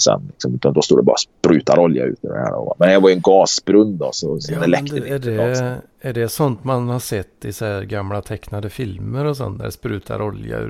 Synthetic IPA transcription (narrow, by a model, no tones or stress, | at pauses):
sɛ̰nlɪksɔmʉ̟ːt̪and̪ɔst̪uːɖ̪ɛbɑ̰ːɾaspɾʉːt̪aɾɔlja̰ʉ̟ːt̪ɛd̪ɛ̰hæ̰ːɾ̰vamɛnjɑvɑjɵɛnɡɑːsbɾɵnd̪ɔ̰sɔɔd̪ɛlɛktd̪æɖɛ | æɖɛsɔnt̪manhɑɾsɛt̪ːɪsæɾɡamlat̪ʰɛknad̪əfɪlməɾɔs̬ɔ̰nːæ̰ɖɛspɾʉːt̪ʰa̰ɾɔlja̰ʉ̰